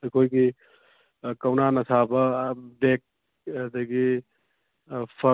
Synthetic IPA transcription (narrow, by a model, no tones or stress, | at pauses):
ɐjkʰojɡi | kɐwnanɐsʰabɐdek̚ | ɐd̪ɐɡi | pʰɐ